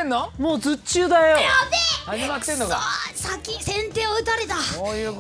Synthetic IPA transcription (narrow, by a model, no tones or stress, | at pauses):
ẽnːomoːzɨt͡ɕɨːd̪ajoad̪eaɲimakɯ̟̥senːoɡasakʲisẽ̞nt̪e̞ːoɯ̟t̪aɾe̞t̪ajɯ